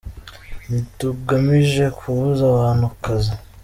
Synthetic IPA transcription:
nituɡamiʒe̞kʰuβuzawaːn̥hukaze

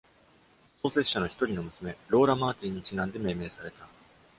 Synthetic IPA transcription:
so̞ːse̞̥ɕano̞çi̥t̪o̞ɾʲino̞mɯ̟sɨme̞ɾo̞ːɾamaːt̪ʲĩɲ̟ːit͡ɕinãnd̪e̞me̞ːme̞ːsaɾe̞t̪a

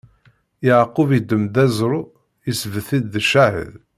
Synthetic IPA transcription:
jəʕqːʊvid̪ːəmd̪æzɾˤu | əsvəθid̪ːəʃahə̰ð

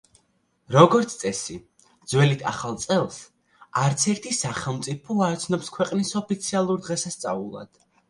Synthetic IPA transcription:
ɾɔɡɔɾt̪sʰt̪ʼɛsi | d̪zwɛlit̪ʰa̰χalˠt̪sʼɛlˠs | aɾt̪sʰɛɾt̪ʰisaχɛlˠmt̪sʼipʰɔaɾɔt̪sʰnɔpskʰwɛqʼnisɔpʰit̪sʰialˠuɾd̪ʁɛsast̪sʼa̰ulˠa̰d̪̥

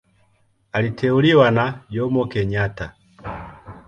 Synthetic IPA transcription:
alitʰɛuliwanaɟɔmɔkɛɲata

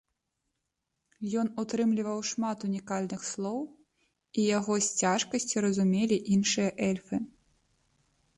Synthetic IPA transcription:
jɔnut̪ɾɨmlʲivɐwʂmat̪unʲikalʲnɨxslˠɔw | ijaɣɔsʲt͡sʲaʂkɐsʲt͡sʲiɾɐzumʲelʲiʔinʂɨjɐʔɛlʲfɨ

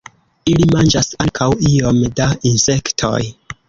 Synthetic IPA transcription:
ilimand͡ʒasaŋkʰawio̞mdainse̞ktʰo̰j

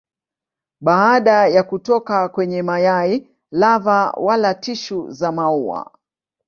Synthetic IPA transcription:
ɓaːɗajakutɔkakwɛɲɛmajai | lavawalatiʃuzamaua̰

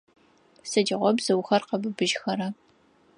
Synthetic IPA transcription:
sɐdɪʁʷɔbzɐwxɐrqɐbɨbɨʒxɐɾɐ

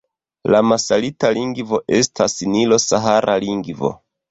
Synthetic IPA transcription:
lamasalitaliŋɡvo̞ʔe̞stʰasinilo̞saɦaɾaliŋɡvo̞̰

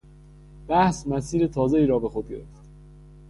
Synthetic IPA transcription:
b̥æhsmæsiːɾet̪ʰɒːzeiːɾɒːbe̞xod̪̚ɟe̞̰ɾeft̪

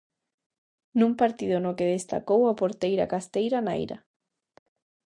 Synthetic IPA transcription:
nũmpaɾt̪iðonokeðest̪a̰kowapoɾt̪ejɾa̰kast̪ejɾana̰jɾa̰

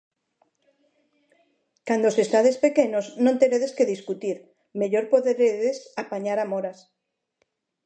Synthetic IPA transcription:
kand̪osesaðespe̞keɲoznõnt̪e̞ɾeðeskeðiskut̪iɾ | me̞ʎoɾpoðeɾeðesapaɲaɾamoɾas

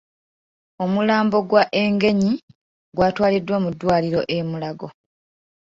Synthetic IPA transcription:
o̞mulaːmbo̞ɡwaʔe̞ŋɡe̞ɲi | ɡwaːtwaːlidːwamudːwaːliɾo̞̰ʔe̞mulaɡo

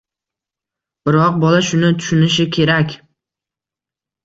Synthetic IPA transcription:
b̥ɪɾɒq̚bɒlaʃʊnɪt̪ʰʊ̥ʃʊnɪʃ̬ɪkʲʰe̞ɾakʲ

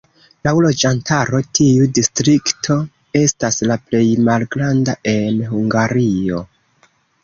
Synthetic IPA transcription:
laulo̞d͡ʒantaɾo̞tʰiudistɾiktʰo̞ | e̞staslaple̞jmalɡɾandaʔe̞nɦuŋɡaɾio̞

